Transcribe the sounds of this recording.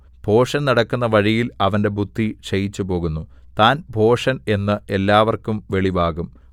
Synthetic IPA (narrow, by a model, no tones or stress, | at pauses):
b̥ʱo̞ːʂɐnnɐɽɐkːunːɐʋɐɻijilɐʋɐnde̞bʱud̪ʱːiʂɐjit͡ɕːupo̞ːɣunːu | t̪aːnbʱo̞ːʂɐne̞nːɨe̞lːaːʋɐrkumʋe̞ɭiʋaːɣum